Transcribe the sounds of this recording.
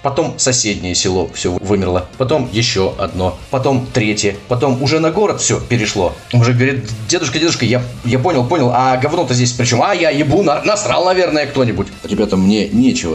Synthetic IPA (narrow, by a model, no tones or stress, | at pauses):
pɐt̪o̞msɐsʲedʲnʲɪjəsʲɪlˠo̞fsʲovvɨmʲɪrlˠəpɐt̪o̞mjɪɕːoʔɐ̰d̪no̞pɐt̪o̞mt̪ɾʲetʲjəpɐt̪o̞mʊʐɛnɐɡo̞ɾət̪fsʲopʲɪɾʲɪʂlˠo̞ʊʐɛɡvɾʲɪd̪̚dʲe̞d̪ʊʂkədʲed̪ʊʂkəjajapo̞nʲɪlˠpo̞nʲɪlˠɐɡɐvnut̪əzʲdʲes̬ʲpɾʲɪt͡ɕo̞majajɪbunɐnɐst̪ɾalˠnɐvʲe̞rnəjəkt̪o̞nʲɪbʊtʲɾʲɪbʲat̪əmnʲenʲet͡ɕɪvə